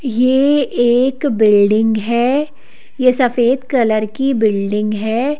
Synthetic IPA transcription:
jeːeːkbɪlɖɪ̃ŋɡɦɛː | jesɐfeːd̪kɐləɾkibɪlɖɪ̃ŋɡɦɛː

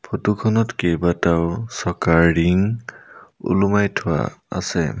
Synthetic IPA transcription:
pʰotukʰɔnɔtkejbataʊsɔkaɹːiŋ | ṵlumajtʰʊwa̰a̰sɛ̰

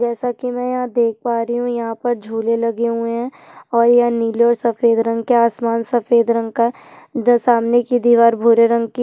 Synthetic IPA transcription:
d͡ʒɛːsakimɛ̃ːjɐɦãd̪eːk̚ʰpaːɾiɦũjɐɦãpɐɾd͡ʒʱuːlelɐɡeɦũeɦɛ̃ | ɔːɾjɐɦãniːleɔːɾsɐfeːd̪ɾə̃ŋɡ̚keaːsmaːnsɐfeːd̪ɾə̃ŋɡ̚ka | saːmnekid̪iːʋaːɾbʱʊɾeɾə̃ŋɡ̚ki

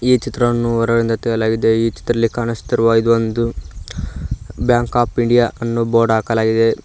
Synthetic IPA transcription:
iːt͡ʃit̪ɾɐnːuʋɔɾɐɡɐɽind̪ɐt̪ɛjɐlaːɡid̪e̞iːt͡ʃi̥t̪ɾɐlːikaːnɐst̪iɾuʋaid̪uʋond̪u | bjaːŋkaːpiɳɖijaʔɐnːuboːɾɖaːkɐlaːɡid̪e̞

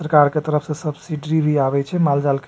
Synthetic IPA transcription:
əɾkaɾket̪əɾəpʰsẽsəbsiɖɾibʱiabɛt͡ʃʰɛmald͡ʒalk

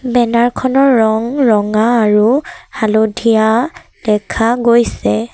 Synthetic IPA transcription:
bɛnaɹkʰɔnɔɹːɔŋɹɔŋaːɹuhalodʱija | d̥ɛkʰaɡojsɛ

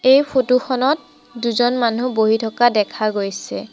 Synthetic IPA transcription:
ejpʰotuxɔnɔt̚ | duzɔnmanuboɦitʰɔkadɛkʰaɡojsɛ

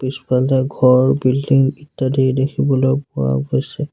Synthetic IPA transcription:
pispaltɛɡʱɔɹɹbildiŋitːadidekʰibɔlojpʊwa̰ɡojsɛ

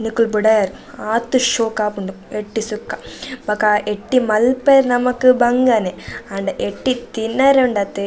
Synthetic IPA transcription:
nikːulbuɽɐjaːɾu | aːt̪ːuʃoːkaːpuɳɖu | eʈːisukːabɐkːaeʈːimɐlpeɾnɐmɐkːubɐŋɡaːneɐɳɖɐʔeʈːit̪inːaːɾeɳɖat̪ːe

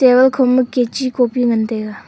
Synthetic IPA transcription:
ewəlkʰoməkːet͡ɕikopiŋənt̪ek

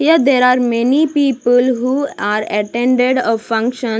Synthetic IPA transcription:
ijad̪eɾaɾmɛnipiːpəlɦuaːɾəʈɛ̃ɳɖeɖɔʋfʌ̃ŋkʃə̃

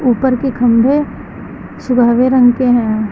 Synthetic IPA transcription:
uːpəɾkikʰɐ̃mbʱe | sʊbʱaːʋeɾə̃ŋɡkeɦɛ̃ː

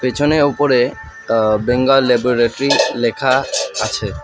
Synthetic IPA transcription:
pet͡ɕʰoneopoɾe | beŋɡalɛboɾeʈoɾilekʰaat͡ɕʰe

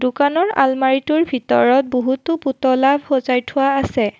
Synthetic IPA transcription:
dukanɔɹa̰lmaɹituɹbʱitɔ̰ɹɔt̚boɦutʊputɔlabʱhɔzajtʰʊwaːsɛ

